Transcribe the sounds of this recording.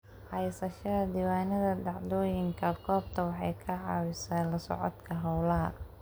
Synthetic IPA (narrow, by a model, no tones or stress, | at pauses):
hɐjsɐʃɐðɐd̪iwaːnɐðɐd̪ɑʕd̪ɔːjɪŋkʰɐkʰɔːb̚t̪ʰɐwɑħɑjkʰɐʕɑ̰ːwɪsaːnlɐsɔ̰ʕɔ̰d̪kʰɐɦɐwlɐɦɐ̰